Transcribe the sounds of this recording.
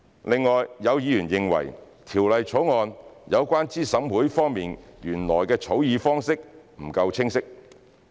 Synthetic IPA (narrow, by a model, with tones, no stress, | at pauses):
lɪ˨ŋːɔː˨jːɐ˨˧wjiː˨˧jyː˨˩njɪ˨ŋwɐ̰˨˩j | t̪ʰiː˨˩wlɐ˨jt͡ʃʰo˨˥wŋɔː˧njɐ˨˧wkʷaː˥nt͡siː˥sɐ˨˥mwuː˨˥jfɔː˥ŋmiː˨njyː˨˩nlɔː˨˩jkɛː˧t͡sʰo˨˥wjiː˨˧fɔː˥ŋsɪ˥k̚m̩˨˩kɐ˧wt͡sʰɪ˥ŋsɪ˥k̚